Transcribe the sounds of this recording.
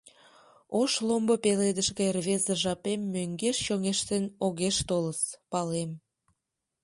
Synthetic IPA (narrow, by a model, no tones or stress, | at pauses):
oʃlombopeled̪əʃkeerβezəʒɑpemːøŋɡeʃʃoŋeʃt̪ənoɣeʃt̪oləspɑlem